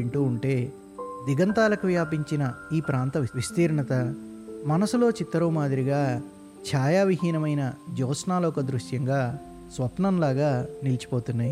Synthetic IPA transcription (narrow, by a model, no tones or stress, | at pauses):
iɳʈuːɳʈe̞ː | d̪iɡɐnt̪aːlɐkuʋjaːpiɲt͡ʃinɐiːpɾaːnt̪ɐʋist̪iːɾɐɳɐt̪ɐ | mɐnɐsulo̞ːt͡ʃit̪ːɐɾɐwmaːd̪iɾiɡaː | t͡ʃʰaːjaːʋiɦiːnɐmɐjnɐd͡ʒɔːsnaːlɔːkɐd̪ɾuʂjɐŋɡaː | sʋɐpnɐmlaːɡaːnilit͡ʃi̥po̞ːt̪unːaːji